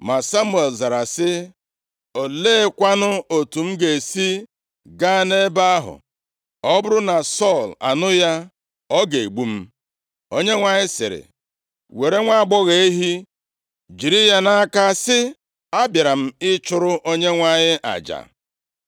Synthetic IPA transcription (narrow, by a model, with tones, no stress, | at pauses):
ma˨sa˦mu˦e˨lza˨ɾa˨sɪ˦ | o˨le˦kʷa˦nʊ˦o˨tu˨m̩˦ɡe˨si˦ | ɡa˦ne˦ba˦a˦ɦʊ̰˨ | ɔ˦bʊ˦ɾʊ˦na˨sɔ˦˨la̰˨nʊ˦ja˦ | ɔ˦ɡe˨ɡ͡bu˦m̩˦ | o˦ɲe˦ŋʷa˨ɲɪ˦sɪ̰˨ɾɪ̰˨ | we˨ɾe˦ŋʷa˦a˦ɡ͡bɔ˦ɣe˨e˦ɦi˦ | d͡ʒi˨ɾi˦ja˦na˦ka˦sɪ˦ | a˦bja˨ɾa˨m̩˦ɪ˦t͡ʃʊ˦ɾʊ˦ʔo˦ɲe˦ŋʷa˨ɲɪ˦ʔa̰˨d͡ʒa̰˨